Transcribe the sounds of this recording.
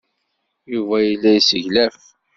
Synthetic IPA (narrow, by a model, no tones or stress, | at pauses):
juvæjəlːæjsəʝlæf